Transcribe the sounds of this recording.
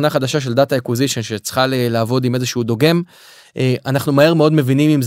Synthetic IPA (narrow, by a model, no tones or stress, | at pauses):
naχad̪aʃaʃ̬e̞ldat̪aekwiziʃo̞nʃet͡sχalelaːvo̞d̪ime̞zeʃuud̪o̞ɡe̞m | ʔeʔanaχnumahe̞ʁmeo̞d̪me̞vinimimz